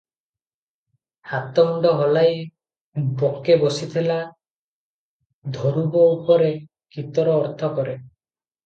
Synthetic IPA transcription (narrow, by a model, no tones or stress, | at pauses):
hat̪ɔɳɖɔɦɔlaj | bokebɔsit̪ʰila | d̪ʱɔɾubɔupɔɾe | kit̪ɔɾɔːɾt̪ʰɔkɔɾe